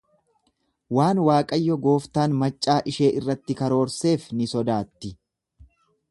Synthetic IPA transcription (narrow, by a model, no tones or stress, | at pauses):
waːnwaːkʼɐjːɔɡo̞ːft̪aːnmɐt͡ʃʼːaːʔɪʃe̞ːʔɪrːɐt̪ːɪkɐɾo̞ːɾse̞ːfnɪsɔd̪aːt̪ːɪ